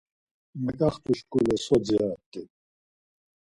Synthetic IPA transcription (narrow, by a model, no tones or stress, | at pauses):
mɛkʼaχt̪uʃkʼulɛsɔd͡ziaːt̪ːɛ